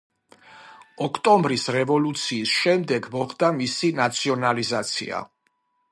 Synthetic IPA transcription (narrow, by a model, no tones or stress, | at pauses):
ɔkʰt̪ʼɔmbɾisɾɛvɔlut̪sʰiːsʃɛmd̪ɛɡmɔχd̪amisinat̪sʰiɔnalizat̪sʰḭa̰